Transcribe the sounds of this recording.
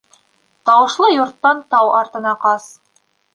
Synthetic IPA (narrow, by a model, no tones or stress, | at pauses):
t̪ɑwɤ̆ʃlˠɤjŏɾt̪ːɑnt̪ɑwɑɾt̪ɤ̆nɑqɑs